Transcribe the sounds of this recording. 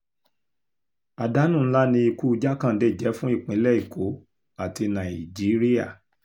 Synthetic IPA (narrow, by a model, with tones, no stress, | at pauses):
a˨da˦nũ˦˨n̩˦la˦nĩ˧i˧ku˦˧d͡ʒa˦kã˦˨n̩˦de˦˨d͡ʒɛ˨˦fũ˦i˦˨k͡pĩ˨˦lɛ˦˨i˨ko˨˦ | a˦˨ti˧nã˨i˨d͡ʒi˨˦ɾi˦ja˦˨